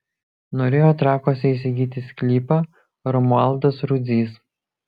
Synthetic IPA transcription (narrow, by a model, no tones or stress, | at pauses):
noːɾʲeːjoːt̪ɾɑːkoːsʲɪisʲɪɡʲiːt̪ʲɪsʲkʲlʲiːpɑ | ɾɔmʊɑlˠˑd̪osɾʊd̪zʲiːs